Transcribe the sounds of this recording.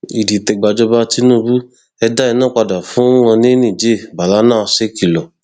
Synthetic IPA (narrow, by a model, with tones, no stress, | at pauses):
i˨di˨tɛ˨ɡ͡ba˨d͡ʒɔ˧ba˧ti˦nõ˦˧bu˦ | ɛ˧da˦i˧nãː˦˨k͡pa˧da˨fũ˨˦ŋã˧nĩ˦nĩ˦˨d͡ʒe˦˨ba˨la˨˦nãː˦˨ɔ˧se˦ki˦˨lɔ˨